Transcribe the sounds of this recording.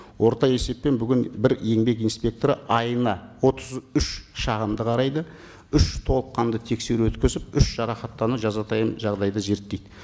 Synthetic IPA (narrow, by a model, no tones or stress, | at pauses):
wʔo̞ɾt̪ɑje̞se̞pːe̞nbʏɡʲɪnbɪɾje̞ŋbe̞kijnspʲe̞k̚t̪oɾəʔɑjənɑwo̞t̪əzʏʃʃɑʁəmd̪əqʰɑɾɑjd̪ə | ʏʃt̪ʰo̞lˠəqːɑnd̪ət̪ʰe̞kse̞ɾwɵt̪kʲɪzɪp̚ʏʃʒ̥ɑɾɑχɑt̪ːɑnəʒɑzɑt̪ʰɑjəmʒɑʁd̪ɑjd̪ɑʒe̞ɾt̪ːejd̪ɪ